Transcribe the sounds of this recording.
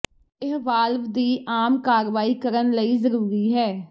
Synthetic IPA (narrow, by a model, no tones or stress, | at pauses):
ɪɦʋaːlʋd̪iːʔaːmkaːɾʋaːiːkəɾənləiːzəɾuːɾiːɦɛː